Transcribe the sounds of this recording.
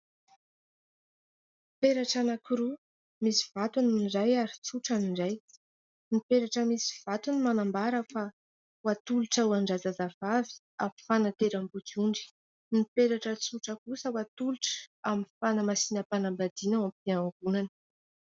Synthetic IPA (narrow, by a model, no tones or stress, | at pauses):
peɾaʈ͡ʂanakuɾu | misiv̥at̪uniɖ͡ʐajaɾit͡suʈ͡ʂaniɳɖ͡ʐaj | nipeɾaʈ͡ʂəmisi̥v̥at̪unimanambaɾəfa | wat̪uluʈ͡ʂauaɳɖ͡ʐazazav̥avi̥ | afanat̪eɾambut͡suɳɖ͡ʐi̥ | nipeɾaʈ͡ʂət͡suʈ͡ʂəkusəwat̪uluʈ͡ʂə̥aminfanəmasinəpanambad̪̥inawamp̚iaŋɡunanə